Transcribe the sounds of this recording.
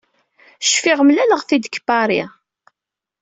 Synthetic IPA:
ʃfiʁmlæləʁθid̪kbaɾˤi

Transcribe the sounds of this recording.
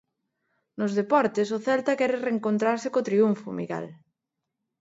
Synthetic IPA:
nozðepɔɾt̪esʊθɛlt̪akɛɾɪreŋkont̪ɾaɾsɪkot̪ɾiuɱfʊ̰mḭɣḛl

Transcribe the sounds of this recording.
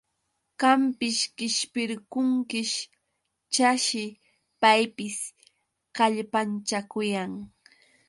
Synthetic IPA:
ɢampɪʃkɪʃpɪɾkʊŋkɪʃ | t͡ʃaʃɪ | pajpɪs | kaʎpant͡ʃakʊjaŋ

